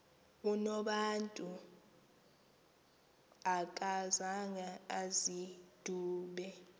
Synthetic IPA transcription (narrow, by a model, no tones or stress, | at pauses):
unɔɓantʼu | akʼazaŋaazid̥ʱuːɓɛ